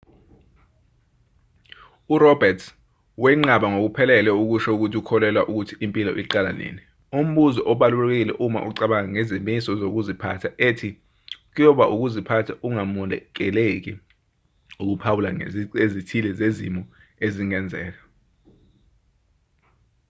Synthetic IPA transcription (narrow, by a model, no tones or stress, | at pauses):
uɾɔbɛtʰ | wɛŋ͡ǃaɓaŋok̬upʰɛlɛlwɛuk̬uʃɔuk̬utʰiukʰɔlɛlwaʔuk̬utʰiimpʼilɔ̰ʔiǃala̰nḛːni | um̩ɓuzɔʔɔɓalulɛk̬ek̬ilɛʔuma̰ʔuǀaɓaaŋɛzimisɔzok̬uzipʰa̰tʰaʔetʰi | k̬ujɔɓaʔuk̬uzipʰatʰaʔuŋamɔndɛk̬ɛlek̬i | uk̬upʰawulaezitʰilɛzezimɔ | eziŋɛnd͡zʱɛ̰ːk̬a